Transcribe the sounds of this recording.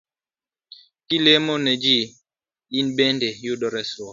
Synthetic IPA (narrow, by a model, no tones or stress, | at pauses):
kilemɔnɛd͡ʒi | inbɛndɛjuɗɔɾɛsɔ